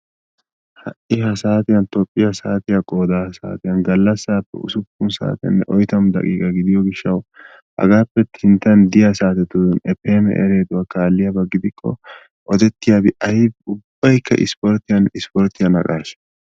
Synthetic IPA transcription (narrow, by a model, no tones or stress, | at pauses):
hɐ̰ʔɪhɐsaːt̪ɪjɐnt̪ɔpʼːɪjɐsaːt̪ɪjakʼoːd̪aːsa̰ːt̪ɪjɐnɡɐlːɐsːaːpːɛ̰ʊ̰sʊpːʊnsa̰ːt̪ɪjɐ̰nːɛ̰ʔɔjt̪ɐmd̪ɐ̰kʼḭːɡɐɡɪd̪ɪjɔɡɪʃːɐw | hɐ̰ɡaːpːɛt̪ʰɪnt̪ːɐnd̪ɪjɐsaːt̪ɛt̪ʊnɛpːeːmɛ̰ʔɛ̰ɾeːd̪ʊwaːkaːlːɪjabɐɡːɪd̪ɪkʰːɔ̰ | ʔɔd̪ɛt̪ːɪjaːbɪʔɐjɪʊbːɐjkʰːɐ̰ʔɪ̰spɔɾt̪ɪjɐnɪspɔɾt̪ːɪjɐnɐ̰kʼaːʃ